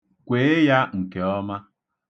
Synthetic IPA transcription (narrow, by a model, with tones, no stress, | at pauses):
kʷe˨e˦ja˦ŋ̩˨ke˨ɔ˦ma˦